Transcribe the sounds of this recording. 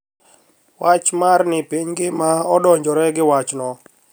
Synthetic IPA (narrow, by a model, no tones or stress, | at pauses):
wat͡ʃmarnɪpiɲɡɪmaɔdɔɲd͡ʒɔɾɛɡɪwat͡ʃnɔ